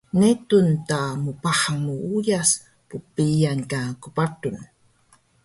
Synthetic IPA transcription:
net̪untamupaħaŋmuujas | pupijaŋkakupatun

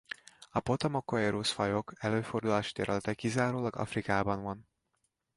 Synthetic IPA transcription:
ɒpo̞t̪omokːoeɾusfɒjo̞kʰɛløːfo̞rd̪ulaːʃi̥t̪ɛɾɛlɛt̪ɛkːizaːɾoːlɒɡɒ̰frikaːbɒnvɒn

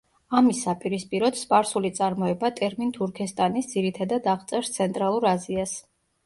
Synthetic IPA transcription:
amisːapʼiɾispʼiɾɔd̪spʼaɾsulit̪sʼaɾmɔɛbat̪ʼɛɾmint̪ʰuɾkʰɛst̪ʼanisd̪z̥iɾit̪ʰad̪ad̪aʁt̪sʼɛɾst̪sʰɛnt̪ʼɾalˠuɾazias

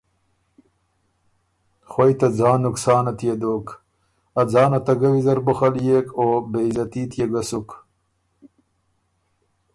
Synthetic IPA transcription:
xwɐjt̪ɐd͡zɑːnːuksɑːnɐt̪jed̪oːk | ɐd͡zɑːnɐt̪ɐɡɐwizɐɾbuxaljeːkʰoːbezɐt̪iːt̪jeɡɐsuk

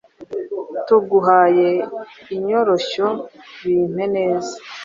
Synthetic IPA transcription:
tuɡuɦaːje̞iɲo̞ɾoɕoβiːn̥ene̞ːzḁ

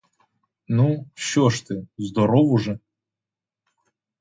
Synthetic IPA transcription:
nuʃɔʃt̪ɪzd̪ɔɾɔwʊʒɛ

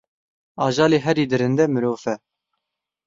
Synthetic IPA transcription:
ɑːʒɑːleːɦɛɾiːd̪ɨɾɨnd̪ɛmɨɾoːfɛ

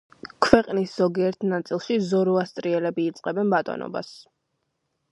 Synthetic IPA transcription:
kʰwɛqʼnisz̥ɔɡiɛɾt̪ʰnat̪sʼilˠʃizɔɾuast̪sʼɾiɛlɛbiːt̪sʼqʼɛbɛnbat̪ʼɔ̰nɔ̰ba̰s

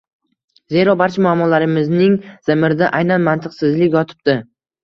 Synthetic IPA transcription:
ze̞ɾɒbaɾt͡ʃʰamʊamːɒlaɾɪmɪznɪŋz̥ɪmɪɾd̪aʔajnanmant̪ʰɨqsɪzlɪkʲjɒt̪ʰɪ̥p̚t̪ɪ

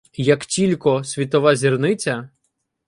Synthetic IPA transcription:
jɐktʲilʲkɔsʲʋʲit̪ɔʋazʲirnɪt͡sʲɐ

